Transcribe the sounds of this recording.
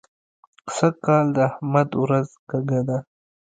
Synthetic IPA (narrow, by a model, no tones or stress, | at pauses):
sakɑld̪əahmad̪wɾazkaɡad̪a